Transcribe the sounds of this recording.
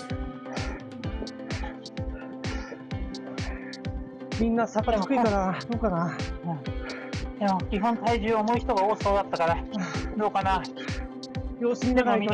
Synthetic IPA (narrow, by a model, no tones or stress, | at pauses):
mʲĩnːasakaikɯ̟ikanad̪o̞ːkana | jakʲiɦõ̞nt̪aiʑɨːomo̞içi̥t̪oɡaoːsoːd̪at̪ːakaɾad̪o̞ːkana | jo̞ːsɨɲʲinakaaito